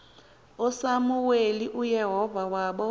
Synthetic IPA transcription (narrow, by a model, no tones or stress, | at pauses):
ɔsamuweliʔujɛɦɔvawaɓɔ